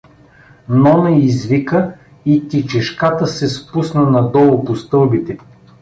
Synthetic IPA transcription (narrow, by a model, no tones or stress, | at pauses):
nɔnəizvikə | it̪it͡ʃɛʃkat̪əsɛspusnənɐd̪ɔlˠʊpost̪ɤlˠbit̪ɛ